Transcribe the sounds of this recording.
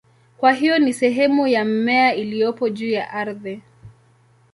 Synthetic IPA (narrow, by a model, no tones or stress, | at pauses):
kwaɦijɔnisɛɦɛmujam̩mɛailijɔpɔʄuːjaʔaɾði